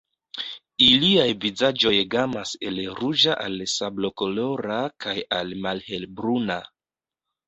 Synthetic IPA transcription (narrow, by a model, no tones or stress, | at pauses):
iliajvizad͡ʒo̞jɡamase̞lɾud͡ʒaʔalsablo̞ko̞lo̞ɾakʰajalmalhe̞lbɾuna